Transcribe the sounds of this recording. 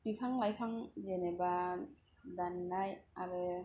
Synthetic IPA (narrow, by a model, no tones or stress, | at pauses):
mipʰaŋlajpʰaŋzeneba | danːajaɾɯ